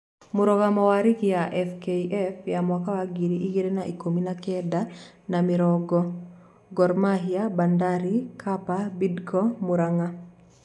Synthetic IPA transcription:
muɾɔɡamɔwaɾikjaʔɛfkeiʔɛfjamwakawaɡiɾiʔiɡeɾenaʔikominakɛda | namɪɾɔɡɔ | ɡɔrmaɦijabandaɾikʰapabidkɔmuɾaŋa

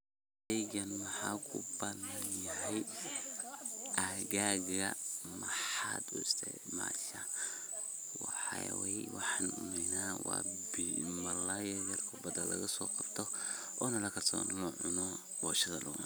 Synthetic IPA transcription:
ɛɡɐnmɑħɑːkʰʊbɐðɐnjɐɦɛj | ʔɐɣaːɣɐmɐħɑːd̪ʊst̪ʰɛ̰ | ma̰ːʃɐ | wɑħɑwɛjwɑħɑnʊ̰mɛnaːwɑ̰bmɐlajɛðɐrkʰʊbɐd̪ɐlɐɣɐsɔːqɑb̥t̪ʰɔ | ʔɔːnɐlɐkʰɐrsɔ̰ːnlɔʕʊnɔ | bɔːʃɐðɐlʔʊ̰ːmɐ

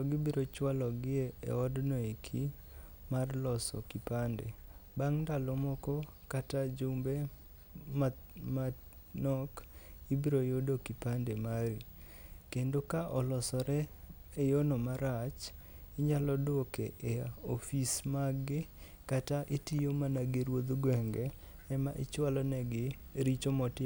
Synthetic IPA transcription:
ɔɡibiɾot͡ʃwalɔɡɪeḛɔdnɔikʰi | marlɔsɔ̰kipandḛbaŋndalomɔkɔ | katad͡ʒumbe | mamanɔkibiɾojodokipandemaɾi | kendokaʔɔlɔsɔɾɛejonɔmaɾat͡ʃ | ɪɲalɔdwokeʔeɔfismaɡɪ | kataʔitijomanaɡɪɾwod̪ɡwɛŋɡɛː | maʔɪ̰t͡ʃwalɔnɛɡɪ | ɾit͡ʃomɔtɪ

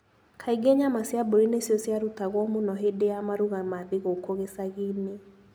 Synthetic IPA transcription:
kʰaiɡeɲamasjaboɾinesjɔsjaɾutaɣwɔmunɔɦedejamaɾuɣamaðiɣokoɣesaɣine

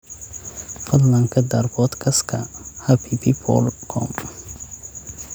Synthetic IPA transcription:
fɐd̪lɐŋkʰɐd̪ɐrbɔd̪kʰɐskʰɐhapʰipʰipʰɔ̰lkʰɔ̰m

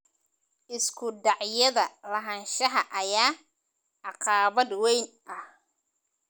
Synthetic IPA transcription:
ʔɪskʰʊɖɑʕjɐðɐlɐɦɐnʃɐɦɐʔɐjaː | ɑqɑːβɐd̪wɛjn | ɐh

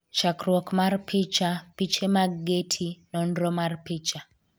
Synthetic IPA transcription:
t͡ʃakɾwɔkmarpit͡ʃapit͡ʃemaɡɡetʰinɔnɾɔmarpit͡ʃa

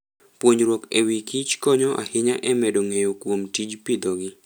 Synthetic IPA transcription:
pwoɲɾwokewikit͡ʃkɔɲɔʔa̰hɪɲaʔɛmɛdoŋejokwomtid͡ʒpɪd̪ɔɡɪ

